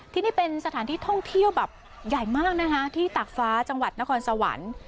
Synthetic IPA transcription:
t̪ʰiː˥˩niː˥˩pe˧nsa˧t̪ʰaː˩˦nt̪ʰiː˥˩t̪ʰɔ˥˩ŋt̪ʰi˥˩əwbɛː˨˩p̚ | ja˨˩jmaː˥˩k̚na˦˥kʰa˦˥t̪ʰiː˥˩t̪aː˨˩k̚faː˦˥t͡ɕa˧ŋwa˨˩t̪̚na˦˥kʰɔː˧nsa˧wa̰˩˦n

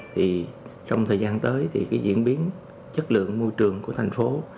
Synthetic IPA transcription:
t̪ʰi˨˩t͡ɕɔ˧wŋ͡mt̪ʰəː˨˩jzaː˧nt̪əː˨˦jt̪ʰi˨˩kaː˨˦jzḭ˧˨ənɓi˨˦ən | t͡ɕə˦˥t̚lɨ̰˧˨əŋmo˧jt͡ɕɨ˨˩əŋku˧˩ət̪ʰa˨˩jŋ̟fo˨˦

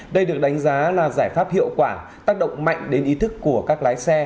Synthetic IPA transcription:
ɗə˧jɗɨ˨˩ək̚ɗa˨˦jŋ̟zaː˨˦laː˨˩zaː˧˩jfaː˦˥p̚hḭ˧˨əwkwaː˧˩ | t̪aː˦˥k̚ɗə̰˧˨wŋ͡mma̰˧˨jŋ̟ɗe˨˦nʔi˨˦t̪ʰɨ˦˥kːu˧˩əkaː˦˥k̚laː˨˦jsɛ˧

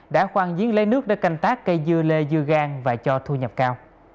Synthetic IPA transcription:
ɗa̰ː˧˥xwaː˧˩ŋzḭ˨˦ənlə̰˧˦jnɨ˦˥ək̚ɗa̰˧˥ka˧˩jŋ̟t̪aː˦˥kːə˧jzɨ˧əle˧zɨ˧əɣaː˧ŋvaː˨˩t͡ɕɔ˧t̪ʰu˧ɲə˨˩p̚kaː˧w

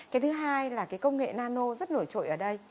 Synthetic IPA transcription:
ka˨˦t̪ʰɨ˨˦ɦaː˧jlaː˨˩kaː˨˦jkə˧wŋ͡mŋḛ˧˨naː˧no˧zə˦˥t̚no˧˩jt͡ɕo̰˧˨ʔəː˧˩ɗə˧j

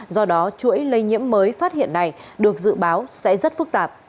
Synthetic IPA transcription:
zɔ˧ɗɔ˨˦t͡ɕu˧˥əjlə˧jɲḭ˧˥əmːəː˨˦jfaː˦˥t̚hḭ˧˨ənːa˨˩jɗɨ˨˩ək̚zɨ̰˧˨ɓaː˨˦wsɛ̰˧˥zə˦˥t̚fɨ˦˥k̚t̪aː˨˩p̚

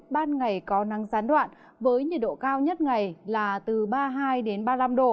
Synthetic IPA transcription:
ɓaː˧nŋa˨˩jkɔ˨˦na˨˦ŋzaː˨˦nɗwa̰ː˧˨n | vəː˨˦jɲḭ˨˩ɗo̰˧˨kaː˧wɲə˦˥t̚ŋa˨˩jlaː˨˩t̪ɨ˨˩ɓaː˧ɦaː˧jɗe˨˦nɓaː˧la˧mɗo̰˧˨˩

